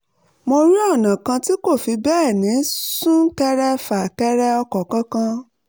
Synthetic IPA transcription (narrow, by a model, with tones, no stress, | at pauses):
mo˧ɾi˦ɔ˦˨nã˨kã˧ti˦ko˦˨fi˧bɛː˦˨nĩ˨˦sũ˦kɛ˧ɾɛ˧fa˨kɛ˧ɾɛ˧ɔ˧kɔ˨kã˦kã˧